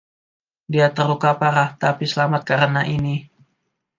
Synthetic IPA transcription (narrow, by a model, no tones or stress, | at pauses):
diat̪əɾukapaɾaht̪apisəlamat̪̚kaɾənaʔini